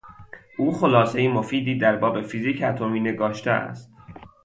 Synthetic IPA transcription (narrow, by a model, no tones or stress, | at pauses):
ʔuːxo̞lɒːse̞jimo̞fiːd̪iːd̪æɾbɒːbe̞fiziːcʰæt̪ʰo̞miːne̞ɡɒːʃt̪ʰḛæ̰st̪̚